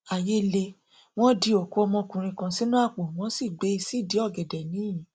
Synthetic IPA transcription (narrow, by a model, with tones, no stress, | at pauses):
a˨je˦le˧ | w̃ɔ̃˦di˧o˨ko˨˦ɔ˧mɔ̃˧kũ˨ɾ̃ĩ˧kã˧si˨˦nũ˦a˦˨k͡po˨w̃ɔ̃˨˦si˦˨ɡ͡be˨˦i˧si˦˨di˨˦ɔ˦˨ɡɛ˨dɛ˨nĩ˨˦ĩ˨